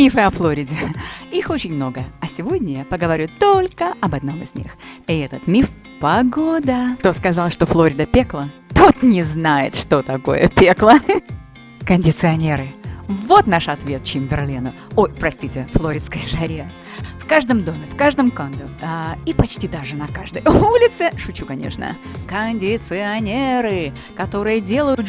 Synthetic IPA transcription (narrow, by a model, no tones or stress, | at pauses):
mʲifɨɐflˠoɾʲɪdʲɪixot͡ɕɪnʲmno̞ɡəɐsʲɪvo̞dʲnʲəjapəɡəvɐɾʲut̪o̞lʲkəʔɐbɐd̪no̞mɪ̰zʲnʲḭxɪɛt̪ət̪mʲif | pɐɡod̪əkt̪o̞skɐzalˠʂt̪oflˠoɾʲɪd̪əpʲe̞klˠət̪ot̪nʲɪznajɪ̰t̪ʂt̪o̞t̪ɐko̞̰jə̰pʲeklˠə | kənʲdʲɪt̪sɨɐnʲe̞ɾɨvo̞t̪naʂɐt̪vʲet̪̚t͡ɕɪmvʲɪrlʲenʊ | ojpɾɐsʲtʲitʲɪflˠoɾʲɪt̪skəjʂɐɾʲe | fkaʐd̪əmd̪o̞mʲɪfkaʐd̪əmkand̪əipɐt͡ɕtʲid̪aʐɨnɐkaʐd̪əjulʲɪt̪sɨʂʊt͡ɕukɐnʲḛʂnə̰ | kənʲdʲɪt̪sɨɐnʲeɾɨ | kɐt̪o̞ɾɨjədʲe̞lˠəjʊt̪